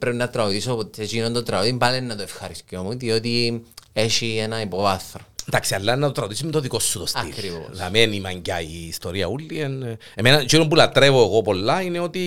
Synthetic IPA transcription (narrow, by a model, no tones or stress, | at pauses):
pɾeinːɐt̪ɾɐot̪isopot̪et͡ʃinont̪ot̪ɾɐot̪impalenːɐt̪oefxɐɾiscjomud̪iot̪ieʃienɐipovɐθɾond̪aksiɐlːɐnːɐt̪ot̪ɾɐot̪is̬umet̪oðiko̞sːut̪osɐḭklɾivo̰la̰menimaɲɟaiːst̪oɾiɐ̰ulːien | emenɐt͡ʃuɾompulɐt̪ɾevoeɣo̞po̞lːaineo̞t̪i